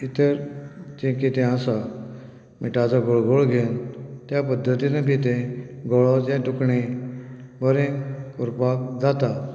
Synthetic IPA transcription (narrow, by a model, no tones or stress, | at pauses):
it̪əɾd͡ʑẽkit̪ẽasa | miʈad͡zaɡoɭɡoɭɡʱent̪japəd̪ʱːət̪inapit̪ẽɡɔɭɔd͡ʑẽɖukɳe | bəɾẽkuɾpakd͡zat̪a